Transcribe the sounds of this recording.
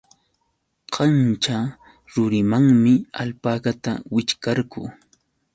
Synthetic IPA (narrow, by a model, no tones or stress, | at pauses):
qɑnt͡ʃa | ɾʊɾɪmaŋmɪa̰lpakat̪a̰wɪt͡ʃkaɾkʊ̰